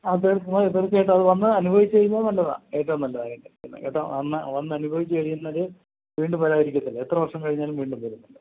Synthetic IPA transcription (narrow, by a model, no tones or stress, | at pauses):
ɐðeɽuk̪ːɐmait̪ːɐrkːeːʈ̬ːɐɐðɨʋɐnːɨɐnubʱɐʋit͡ɕːɨt͡ɕejunːɐnɐlːɐða̰ːkeːʈːɐmnɐlːɐðaːkeɳɖeikʲːɐnːɐ̰keʈːɐ̰ɐnːɐ̰ʋɐnːɨɐnubʱɐʋit͡ɕːɨkɐɻijːunːɐɾɨ | ʋiːɳɖumʋɐɾaːjiɾikʲːuðɐlːɐet̪rɐʋɐrʂɐmkɐɻiɲːaːlumʋiːɳɖumpoɾunːɐlːɐ